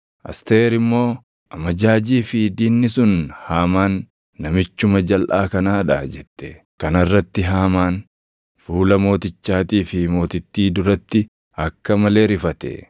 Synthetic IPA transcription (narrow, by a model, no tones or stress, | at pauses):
ʔɐ̰st̪eːɾɪmːo̞ː | ʔɐmɐd͡ʒaːd͡ʒiːfɪd̪iːnːɪsʊnhaːmaːnː | ɐmɪt͡ʃːʊmɐd͡ʒɐlʔaːkɐnaːᶑa̰d͡ʒɛt̪ːɛ̥ | kɐnɐrːɐt̪ːɪɦaːmaːn | fuːlɐmo̞ːt̪ɪt͡ʃːaːt̪iːfɪmo̞ːt̪ɪt̪ːiːd̪ʊɾɐt̪ːɪ | ɐkːɐmɐle̞ːɾɪfɐt̪ɛ̰